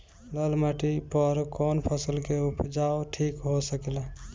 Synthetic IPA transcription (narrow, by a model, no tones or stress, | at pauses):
ləlmaʈipəɾkonpʰəsəlkeupd͡ʒaoʈʰikɦosəkel